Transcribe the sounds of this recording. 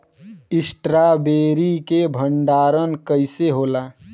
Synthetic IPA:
ɪsʈɾabeːɾikebʱəɳɖaːɾənkəɪseɦoːlaː

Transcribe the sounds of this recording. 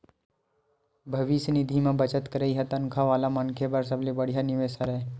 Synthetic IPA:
bʱɐʋisnɪd̪ʱimẽbət͡ʃət̪kəɾəiɦɛt̪ɐŋkʰaʋaːlamɐŋkʰebəɾs̬ɐblebəɽ̤ijanɪʋeːʃaɾɦɛː

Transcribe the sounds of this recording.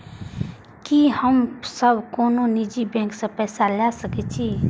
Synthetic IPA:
kihəmsəbʱkoːnonid͡ʒibɛ̃ːŋksẽpɛːsalasəkɛt͡ʃʰi

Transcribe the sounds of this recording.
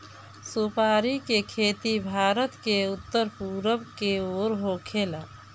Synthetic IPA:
supaːɾikekʰeːt̪ibʱaːɾət̪keʊt̪ːəɾpuɾəbkeoːɾɦokʰela

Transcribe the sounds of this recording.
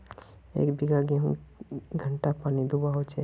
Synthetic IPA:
ḛːkbɪɡaɡeɦũɡʱəɳʈapaːnid̪ubaɦot͡ʃe

